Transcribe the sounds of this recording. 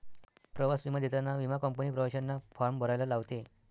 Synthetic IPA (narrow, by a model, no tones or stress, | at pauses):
pɾəʋasʋimad̪et̪anaʋimakɔmp̬ənipɾəʋaɕanːafaɾmbʱəɾajlalaʋt̪e